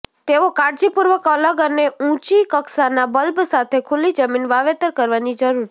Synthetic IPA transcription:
t̪eʋokaɾd͡ʒipuɾʋəkələɡəneũt͡ʃikəksanabəlbsat̪ʰekʰulid͡ʒəminʋaʋet̪əɾkəɾʋanid͡ʒəɾuɾt͡ʃʰ

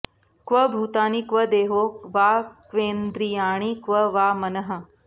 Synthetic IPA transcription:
kʋɐbʱuːt̪aːnikʋɐd̪eːɦoːkʋaːkʋeːnd̪ɾijaːɽ̃ikʋɐʋaːmɐnɐɦɐ̆

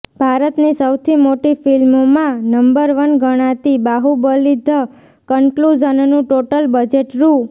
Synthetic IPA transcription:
bʱaɾət̪nisəwt̪ʰimoʈifilmomãnəmbəɾʋənɡəɽ̃at̪ibaɦubəlid̪ʱə | kəŋklud͡ʒənnũʈoʈəlbəd͡ʒeʈɾu

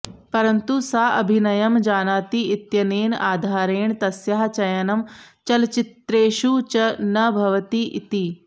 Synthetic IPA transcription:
pɐɾɐnt̪usaɐ̰bʱinɐjɐmd͡ʒaːnaːt̪iːt̪jɐneːnaːd̪ʱaːɾeːɳt̪ɐsjaɦt͡ʃɐjɐnɐmt͡ʃɐlt͡ʃit̪ɾeːʃut͡ʃɐnɐbʱɐʋɐt̪iʔḭt̪i

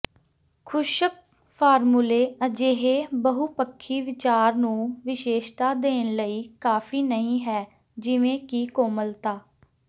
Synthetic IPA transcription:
kʰʊʃək̚ | pʰaːɾmuːleːəd͡ʒeːɦeːbəɦuːpəkʰːiːʋɪt͡ʃaːɾnũːʋɪʃeːʃt̪aːd̪eːnləiːkaːpʰiːnəɦĩːɦɛː | d͡ʒɪʋẽːkiːkoːməlt̪aː

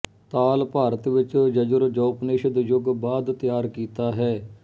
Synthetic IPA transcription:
t̪aːlpaːɾət̪ʋɪt͡ʃd͡ʒəd͡ʒʊɾd͡ʒoːpneːʃd̪jʊɡbaːd̪t̪ɪjaːɾkiːt̪aːɦɛː

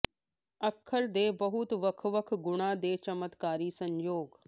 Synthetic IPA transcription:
ɐkʰːəɾd̪eːbɐɦʊt̪ʋɐkʰʋəkʰɡʊɽ̃ad̪eːt͡ʃɐmət̪kaːɾisɐ̃ɲjoːɡ

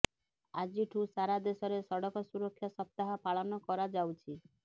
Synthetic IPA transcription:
ad͡ʒiʈʰusaɾad̪esɔɾesɔɽɔkɔsuɾɔkʰːjɔsɔp̚t̪aɦapaɭɔnɔkɔɾad͡ʒawt͡ʃʰi

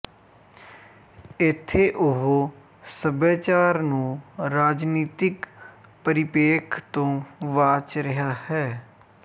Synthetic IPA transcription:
ɪt̪ʰːeːʔʊɦoː | səbeːt͡ʃaːɾnũːɾaːd͡ʒniːt̪ɪkpəɾɪpeːkʰt̪õːʋaːt͡ʃɾəɦaːhɛː

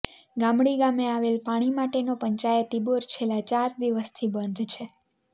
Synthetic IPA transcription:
ɡamɽiɡameaʋelpaɽ̃imaʈenopəɲt͡ʃajət̪ːiboɾt͡ʃʰelat͡ʃaɾd̪iʋəst̪ʰibənd̪ʱt͡ʃʰe

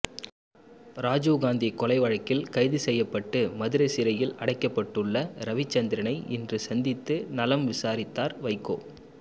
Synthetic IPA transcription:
ɾaːd͡ʒuːɣaːnd̪ikːɔlɐɪʋɐɻɐkːɪlkɐɪðɯsɛjːɐpːɐʈːɯmɐðɯɾɐɪsɪɾɐjɪlɐɽɐɪkːɐpːɐʈːɯɭːɐɾɐʋɪt͡ʃːɐnd̪ɪɾɐnɐɪɪndrɯsɐnd̪ɪt̪ːɯnɐlɐmʋɪsaːɾɪt̪ːaːɾʋɐɪkːo̰ː

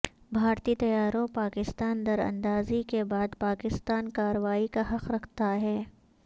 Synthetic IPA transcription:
bʱaːɾt̪iːt̪ɐjaːɾõpaːkɪst̪aːnd̪ɐɾɐ̰̃nd̪aːzikebaːd̪paːkɪst̪aːnkaːɾəʋaːikaɦɐqɾɐkʰt̪aɦɛː

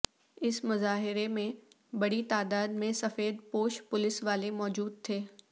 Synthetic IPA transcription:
ɪsmʊzaːɦɪɾemẽ | bɐɽit̪aːd̪aːd̪̚mẽsɐfeːd̪̚poːʃpʊlɪsʋaːlemɔːd͡ʒuːd̪̚t̪ʰeː

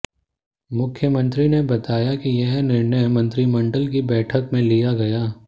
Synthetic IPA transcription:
mʊkʰːjəmə̃nt̪ɾinebɐt̪aːjakijɐɦnɪɾnəjmɐ̃nt̪ɾimɐ̃ɳɖəlk̬ibɛːʈʰəkmẽlijaɡɐjaː

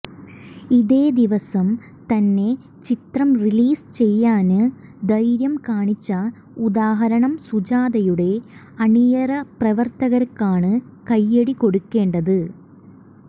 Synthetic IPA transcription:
iðe̞ːd̪iʋɐsɐm | t̪ɐnːe̞ | t͡ɕit̪rɐmriliːst͡ɕe̞jːaːnɨd̪ɐjɾjɐmkaːɳit͡ɕːɐ | ud̪aːɦɐɾɐɳɐmsud͡ʑaːd̪ɐjuɽe̞ | ɐɳijɐrɐprɐʋɐrt̪ɐɣɐɾkːaːɳɨ | kɐjːeɽiko̞ɽukːe̞ːɳɖɐðɨ

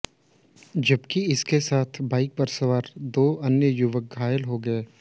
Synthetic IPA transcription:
d͡ʒɐbkiɪskesaːt̪ʰbaːɪk̚pɐɾsɐʋaːɾd̪oːʔɐnjəjʊʋək̚ɡʱaːjəlɦoɡɐeː

